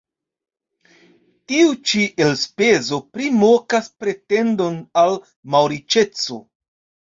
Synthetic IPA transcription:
tiut͡ʃiʔelspe̞zo̞pɾimokaspɾe̞te̞ndo̞nal | mawɾit͡ʃe̞t͡so̞̰

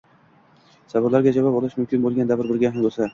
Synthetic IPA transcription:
sabɪɾlaɾɡʲad͡ʒavɒpɒlɪʃmʊmkʲʰɪnbolˠɡʲand̪avɪɾbɪɾɡʲaɦambolˠsa

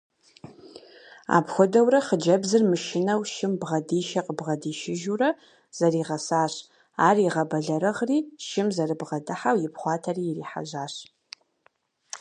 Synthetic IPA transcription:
a̰ːpxʷʊdɐwrɐχəd͡ʒɐbzɨrmɨʃɪnɐwʃɪmbʁɐdiːʃɐqəbʁɐdiːʃɪʒurɐ | z̥ɐriːʁɐsaːɕ | aːriʁɐbɐɮɐɾɨʁriːʃɪmzɐrɨbʁɐdɨħawjɪpχʷɑːtʰɐriːriːħa̰ʒaːɕ

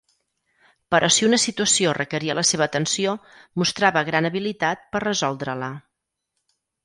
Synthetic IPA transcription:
pəɾʔɔsiunəsit̪uəsiorəkəɾiələseβ̞əːt̪ənsiomust̪ɾaβəɣɾanəβilit̪at̪̚pərrəzɔlˠd̪ɾələ

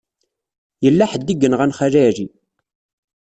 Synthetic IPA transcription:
jəlːæħəd̪ːiɡənʁænχæɾæɾi

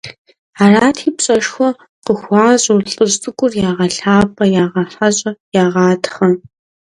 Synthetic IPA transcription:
aːraːtʰiːpɕʼɐʃxʷɔ | qəxʷɑːʑʼːɬʼɨʑt͡sʼɨɡʷʼʊrjaːʁɐɬaːpʰʼɐjaːʁɐfɐɕʼɐjaːʁɑːtχɐ

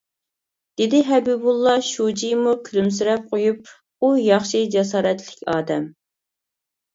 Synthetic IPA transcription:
d̪̥ɪd̪ɪɦɛbibulˠːɑʃud͡ʒijmukʲʰylyms̬yɾɛp̚qʰojup̚ | ujɑχʃid͡ʒɛsɑːɾɛt̪lɪ̥kʲɑːd̪ɛm

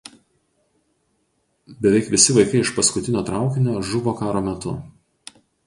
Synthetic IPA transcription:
bʲɛʋʲɛˑɪkʋʲɪsʲɪʋɐɪkɐɪɪʃpɐskʊt̪ʲɪnʲoːt̪ɾɑˑʊkʲɪnʲoːʒʊʋoːkɑːɾoːmʲɛt̪ʊ̰

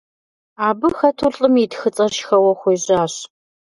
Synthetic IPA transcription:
aːbɨxɐtʰuɮɬʼɨmitxɨt͡sʼɐrʃxɐwɐxʷijʑaːɕ

